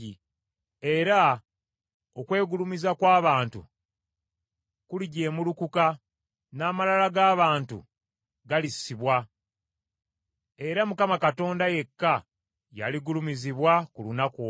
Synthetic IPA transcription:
i | e̞ɾa | okwe̞ːɡulumizakwaːβaːntṵ | kuliɟe̞ːmulukuka | naːmalalaɡaːβaːntṵ | ɡalisːiβwa | e̞ɾamukamakato̞ːndaje̞kːa | ja̰liɡulumiziβwakulunaku

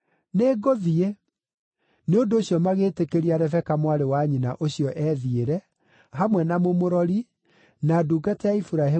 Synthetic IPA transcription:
neːɡoðie | neondoːɕjɔmaɣeːtekeɾiaɾɛfɛkamwaɾewaɲinaʔoɕiɔʔɛːðieɾɛ | ɦamwɛnamomoɾɔɾi | naːduːɡatɛaifuɾaɦe

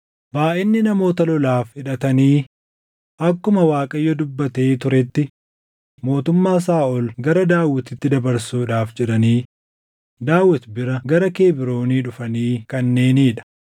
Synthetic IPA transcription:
baːʔɪnːɪnɐmo̞ːt̪ɐlɔlaːfɪᶑɐt̪ɐniː | ʔɐkːʊmɐwaːkʼɐjːɔd̪ʊbːɐt̪eːt̪ʊɾɛt̪ːɪ | mo̞ːt̪ʊmːaːs̬aːʔɔlɡɐɾɐd̪aːwːɪt̪ɪt̪ːɪd̪ɐbɐɾsuːᶑaːfd͡ʒɛᶑɐniː | d̪aːwːɐt̪bɪɾɐɡɐɾɐke̞ːbɪɾo̞ːniːᶑʊfɐniːkɐnːe̞ːniːᶑɐ̥

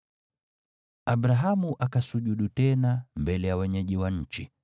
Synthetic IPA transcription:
aɓɾaɦamuʔakasuʄuɗutɛnambɛlɛjawɛɲɛʄiwaɲ̩t͡ʃi

